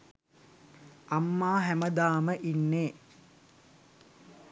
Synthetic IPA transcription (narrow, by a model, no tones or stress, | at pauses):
amːaːɦæməd̪aːməʔinːeː